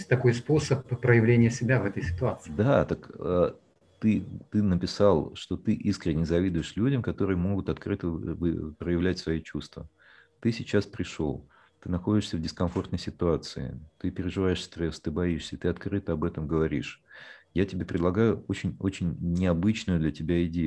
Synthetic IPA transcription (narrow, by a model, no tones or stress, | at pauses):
sʲtʲt̪ɐko̞jspo̞səpːɾəjɪvlʲenʲɪjəsʲɪbʲavɛt̪əjsʲɪ̥t̪ʊat̪sɨd̪at̪əkə | t̪ɨt̪ɨnəpʲɪsalˠʂt̪o̞t̪ɨʔiskɾʲɪnʲːɪzɐvʲid̪ʊjɪʂlʲudʲəmkɐt̪o̞ɾɨjəmo̞ɡʊt̪ɐt̪kɾɨt̪əvɨpɾəjɪvlʲætʲsvɐjit͡ɕust̪və̰ | t̪ɨsʲɪt͡ɕaspɾʲɪʂo̞̰lˠ | t̪ɨnɐxo̞dʲɪʂsʲəvdʲɪskɐnfo̞rt̪nəjsʲɪt̪ʊat̪sɨɪ̰t̪ɨpʲɪɾʲɪʐɨvajɪʂsʲt̪ɾɛst̪ɨbɐiʂsʲət̪ɨɐt̪kɾɨt̪əɐbɛt̪əmɡəvɐɾʲiʂjatʲɪbʲepɾʲɪd̪lˠɐɡajʊot͡ɕɪnʲot͡ɕɪnʲnʲɪɐbɨt͡ɕnʊjʊd̪lʲətʲɪbʲaɪdʲej